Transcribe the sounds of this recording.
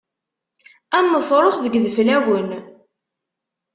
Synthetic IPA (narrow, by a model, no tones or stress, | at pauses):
æmːəfɾˤoχðəɡðəflæwən